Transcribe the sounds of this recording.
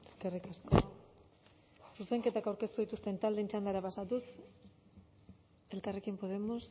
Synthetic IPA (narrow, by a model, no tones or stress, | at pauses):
eske̞rikasko | suse̞ŋke̞t̪akawɾke̞st̪uðit̪ust̪e̞nt̪ald̪ent͡ʃand̪aɾapasat̪us | e̞lkare̞kimpo̞ð̞e̞mos